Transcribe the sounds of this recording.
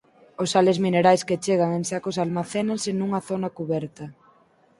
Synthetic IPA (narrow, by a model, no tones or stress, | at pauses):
ʊsalezmineɾajsket͡ʃeɣaŋẽnsakʊsalmaθenansɪnuŋɐθonakuβɛɾt̪ɐ